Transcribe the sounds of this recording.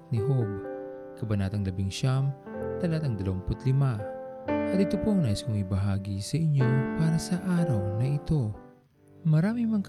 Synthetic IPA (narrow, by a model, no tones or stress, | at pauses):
t̪̚niɦob̚ | kɐbɐnat̪ɐŋlɐbiŋʃam | t̪ɐlat̪ɐŋd̪ɐlɐwaŋpʊt̪lɪma | hɐɾit̪opoɐŋnaːʔɪskoŋibɐɦaːɡisɐʔiɲjopaːɾɐsɐʔaːɾɐwnɐit̪o̞ | mɐɾaːmiŋmɐŋk